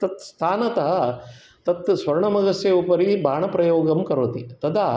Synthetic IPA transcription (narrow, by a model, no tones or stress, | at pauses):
t̪ɐt̪st̪ʰaːnɐt̪ɐɦɐ | t̪ɐt̪sʋɐɾɐɳɐmɐɡɐsjɐupɐɾibʱaːɳɐpɾɐjoːɡɐmkɐɾot̪it̪ɐd̪aː